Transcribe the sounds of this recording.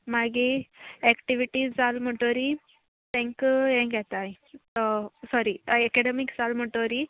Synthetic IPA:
maɡiɛkʈiʋiʈisd͡zalm̤əʈoɾi | t̪ɛ̃ŋkɦɛ̃kɛt̪aj | t̪ɔsɔɾiɛkeɽemikd͡zalm̤əʈoɾi

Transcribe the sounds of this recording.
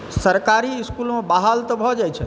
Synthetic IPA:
səɾkaɾiːskulmebaɦalt̪ɔbʱɔd͡ʒajt͡ʃʰɛ

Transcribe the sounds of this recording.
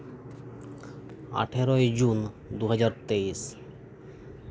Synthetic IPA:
a̰ʈʰeɾoed͡ʑun | d̪uɦad͡ʑaɾt̪eis

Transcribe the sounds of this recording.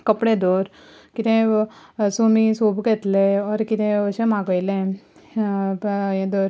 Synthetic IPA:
kəpɽed̪oɾ | kit̪ẽ | sumisobɡet̪leɔɾkit̪ẽəɕemaɡəjlẽ | jẽd̪ɔɾ

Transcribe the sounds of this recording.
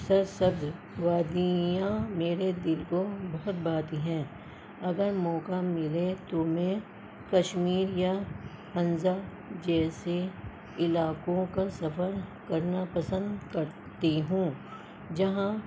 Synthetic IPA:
sɐɾsɐbd̪ | ʋaːd̪ijãmeːɾed̪ɪlkobɐɦʊt̪̚baːt̪iɦɛ̃ː | ɐɡəɾmɔːkamɪlet̪omɛ̃ | kɐʃmiːɾja | ɐ̃nza | d͡ʒɛːse | ɪlaːkõkasɐfəɾkɐɾnapɐsə̃nd̪kɐɾ | t̪eɦũː | d͡ʒɐɦã

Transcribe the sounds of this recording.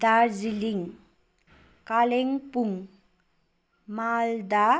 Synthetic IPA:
d̪aɾd͡ziliŋ | kaleŋpuŋ | mald̪a

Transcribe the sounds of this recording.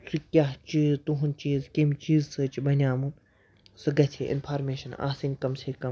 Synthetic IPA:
sukʲaːɦt͡ʃit̪uɦunt͡ʃiːzkʲemt͡ʃiːzsɨt͡ʃibɐnʲjaːmun | sɨɡɐtʰḛːʔɪ̰npʰaːɾmeːʃɐna̰ːsinʲkɐmseːkɐ

